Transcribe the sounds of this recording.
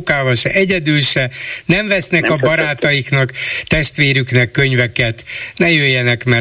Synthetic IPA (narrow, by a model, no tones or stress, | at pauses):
kaːvɒlʃɛʔɛɟɛd̪ylʃɛnɛɱvɛsnɛkɒbɒɾaːt̪ɒjiknɒkt̪ɛʃt̪ʋeːɾyknɛkːø̞ɲvɛkɛt̪nɛjøːjːɛnɛkmɛ